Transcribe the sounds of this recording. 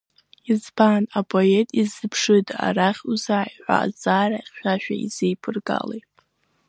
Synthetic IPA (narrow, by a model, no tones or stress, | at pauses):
izpʰaːnapʰʼo̞etʼizɨpʰʂɨda̰ɾaχʲuzajiħʷa̰ːd͡zaːraχʲʃᶣaʃᶣa̰izejpʰɨrɡa̰lejtʼ